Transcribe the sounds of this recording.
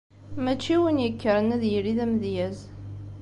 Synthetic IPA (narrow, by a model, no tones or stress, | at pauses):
mæt͡ʃːiwənjəkːəɾənæðjəɾiðæmðjæz